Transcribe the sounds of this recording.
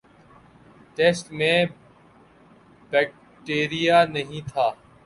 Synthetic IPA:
ʈeːsʈmẽː | bɛːk̚ | ʈeːɾijaːnəɦĩːt̪ʰaː

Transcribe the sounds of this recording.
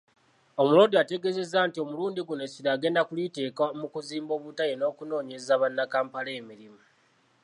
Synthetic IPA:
o̞muloːdiate̞ɡe̞ze̞zaːntio̞muluːndiɡunesiɾaːɡe̞ːndakulite̞ːkamukuziːmbo̞ːβutajeno̞ːkuno̞ːɲe̞zaβanːakaːmpaleːmiɾimu

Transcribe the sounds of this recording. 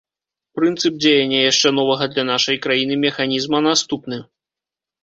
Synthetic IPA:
pɾɨnt̪sɨp̚d͡zʲejɐnʲːɐjaʂt͡ʂɛnɔvɐɣɐd̪lʲɐnaʂɐjkɾajinɨmʲɛxanʲizmɐnast̪upnɨ

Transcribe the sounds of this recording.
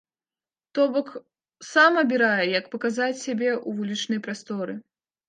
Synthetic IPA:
t̪ɔbɔk | samɐbʲiɾajɛjɐkpɐkazat͡sʲsʲabʲɛʔuvulʲit͡ʂnɨjpɾast̪ɔɾɨ

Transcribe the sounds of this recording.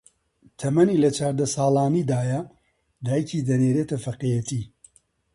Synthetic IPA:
t̪ʰɐmɐniːlɐt͡ʃʰaːɾd̪ɐsaːlaːniːd̪aːjɐ | d̪aːjcʰiːd̪ɐneːɾeːt̪ɐfɐqejɐt̪ʰiː

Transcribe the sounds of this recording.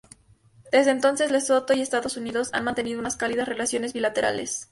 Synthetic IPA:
d̪̥e̞zðeːnt̪o̞nse̞zleso̞t̪oiest̪aðo̞suniðo̞sa̰nmãnt̪e̞niðunaskaliðasre̞lasjo̞ne̞zβilat̪e̞ɾa̰le̞̰s

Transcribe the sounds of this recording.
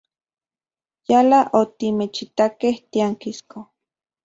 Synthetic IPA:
jalaʔot̪imet͡ʃit̪akeht̪iaŋkisko

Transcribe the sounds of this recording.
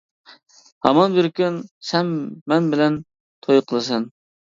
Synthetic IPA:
hɑmɑnbɪɾkʲynsɛmːɛnbɪlɛn | t̪ʰojqʰəlˠɨs̬ɛn

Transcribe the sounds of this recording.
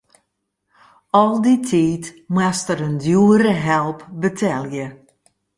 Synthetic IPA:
ɔlˠditʰiːtmwastəɾəndjuəɾəɦɛlˠpbətʰɛljə

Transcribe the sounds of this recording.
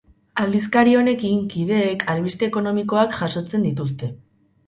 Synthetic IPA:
ald̪iskaɾio̞ne̞kiŋkið̞e̞ːkʰalβist̪e̞ːko̞no̞miko̞akʝaso̞t͡se̞nd̪it̪̬us̬t̪e̞

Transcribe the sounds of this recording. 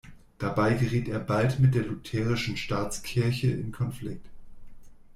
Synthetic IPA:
d̥abaɪɡəʁiːteːɐbaltmɪt̚d̥eːɐlʊtʰɛːʁ̞ɪʃn̩ʃtaːt͡skʰɪɐçəʔɪ̰nkʰɔnflɪk̚t

